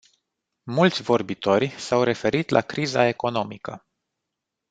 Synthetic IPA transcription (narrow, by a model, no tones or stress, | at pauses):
mult̪sʲvo̞rbit̪o̞rʲsawɾe̞fe̞ɾit̪lʔa̰kɾizae̞ko̞no̞mikə